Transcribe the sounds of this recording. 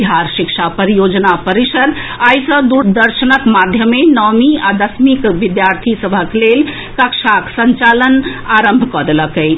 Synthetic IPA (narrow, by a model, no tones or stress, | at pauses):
iɦaɾsikt͡ʃʰapəɾijod͡ʒnapəɾisəɾajsə̃d̪uɾd̪əɾsənəkmad̪ʱjəmenɔmiad̪əsmikʋid̪jaɾt̪ʰisəbʱəklel | kəksaksənt͡ʃalənaɾəmbʱkɔd̪eləkəɪ